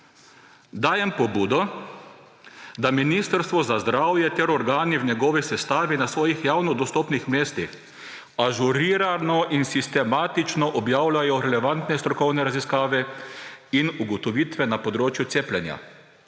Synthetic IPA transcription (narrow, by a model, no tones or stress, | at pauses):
d̪aːjɛmpɔbuːd̪ɔ | d̪aminist̪əɾst̪ʋɔzazd̪ɾaːwjɛt̪ɛɾɔɾɡaːniwnɛɡɔːʋisɛst̪aːʋinasʋɔːjixjaːwnɔd̪ɔst̪ɔːpnixmeːst̪ix | aʒuɾiːɾanɔʔinsist̪ɛmaːt̪it͡ʃnɔʔɔbjaːwlajɔɾɛlɛʋant̪nɛst̪ɾɔkɔwnɛɾaziskaːʋɛ | inuɡɔt̪ɔʋiːt̪ʋɛnapɔd̪ɾoːt͡ʃjʊt̪eːplʲɛnja̰